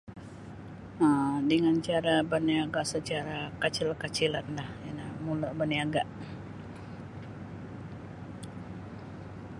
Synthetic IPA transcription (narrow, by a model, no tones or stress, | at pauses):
ədəŋant͡ʃaɾabaniaɡaʔsət͡ʃaɾakat͡ʃɪlkat͡ʃilandahjanamulabaniaɡaʔ